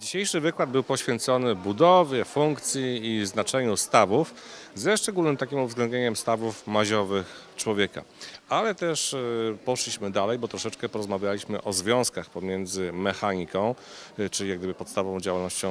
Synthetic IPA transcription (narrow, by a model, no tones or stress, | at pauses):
d͡ʑiɕejʂɘvɘkwad̪̚bɘwpɔɕfʲjɛnt̪sɔnɘbud̪ɔvʲjɛfuŋkt̪sʲjiːznat͡ʂɛɲust̪avufzɛʂt͡ʂɛɡulnɘmt̪akʲimuvzɡlɛnd̪ɲeɲɛmst̪avufmaʑɔvɘxt͡ʂwɔvʲjɛka̰alɛt̪ɛʂpɔʂlʲiɕmɘd̪alɛjbɔt̪ɾɔʂɛt͡ʂkɛpɔɾɔzmavʲjalʲiɕmɘʔɔzvʲjɔ̃w̃skaxpɔmʲjɛnd̪zɘmɛxaɲikɔ̃w̃ | t͡ʂɘlʲijaɡd̪ɘbɘpɔt̪st̪avɔ̃w̃d͡ʑawalnɔɕt͡ɕɔ̃w̃